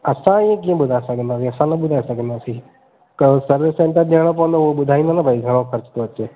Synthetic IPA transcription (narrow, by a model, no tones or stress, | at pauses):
əsãɪjẽk̬ijẽɓʊd̪ʱasəkənd̪aːsĩəsãnəɓʊd̪ʱaːesəkə̃nd̪asi | kəsəɾʋɪsẽɳʈəɾɗaɽ̃õp̬ɔːə̃nd̪ooɓʊd̪ʱaːĩnd̪anabʱaːiɡʱəɽ̃õkʰəɾt͡ʃt̪oət͡ʃeː